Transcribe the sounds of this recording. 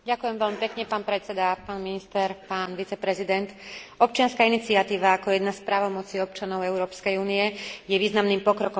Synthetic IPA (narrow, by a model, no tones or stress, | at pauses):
ɟakujɛmʋɛʎmipɛkɲɛpaːnpɾɛt͡sɛd̪apaːnminist̪ɛɾpaːnʋit͡sɛpɾɛzid̪ɛnt̪ɔp̚t͡ʃɪanskaːinit͡siat̪iːʋaːkɔjɛd̪naspɾaːʋɔmɔt͡siɔp̚t͡ʃanɔʊɛʊɾɔːpskɛjuːnijɛjɛʋiːznamnimpɔkɾɔkɔ